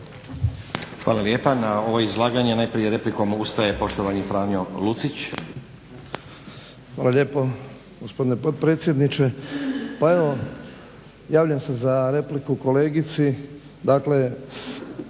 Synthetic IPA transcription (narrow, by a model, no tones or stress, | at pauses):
xʋa̰ːlˠaljeːpanao̞ʋoizlˠaːɡaɲenaːjpɾije̞ɾe̞pliko̞must̪aje̞po̞ʃt̪oʋaɲifɾaːmjolut̪sit͡ɕ | xʋaːlalʎe̞ːpo | ɡospo̞d̪inepo̞d̪̚pɾet̪sje̞d̪nit͡ʃe̞pae̞ʋo̞ | jaːʋʎamse̞zaɾe̞plikuko̞le̞ːɡit̪si | d̪aːkle̞